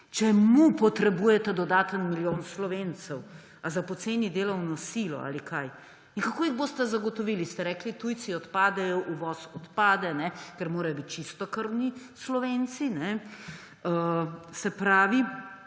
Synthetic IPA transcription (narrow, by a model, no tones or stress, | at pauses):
t͡ʃɛmupɔt̪ɾɛbuːjɛt̪ɛd̪ɔd̪aːt̪ənmiljoːnslɔʋeːnt̪sɛw | azapɔt̪seːnid̪eːlɔwnɔsilɔ̰a̰likʰaj | inkakoːiɣboːst̪ɛzaɡɔt̪ɔʋilist̪ɛɾɛːklit̪ujsiɔt̪paːd̪ɛjɔʔuʋɔːsɔt̪paːd̪ɛnɛkɛɾmoːɾɐjɔbit̪̚t͡ʃist̪ɔkəɾnislɔʋeːnsinɛ | əsɛpɾaːʋi